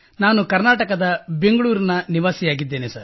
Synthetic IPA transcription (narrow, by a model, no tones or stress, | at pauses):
naːnukɐɾnaːʈɐkɐd̪ɐbe̞ŋɡɐɭuːɾinɐniʋaːsijaːɡid̪ːeːnesɐɾ